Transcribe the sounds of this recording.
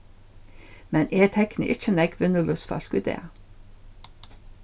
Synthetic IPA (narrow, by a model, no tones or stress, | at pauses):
mɛnʔeːt̪ʰɛknə̰ʔɪt͡ʃənɛɡʰʋʏnəlɔsfɑ̰ɬkʉd̪ḛː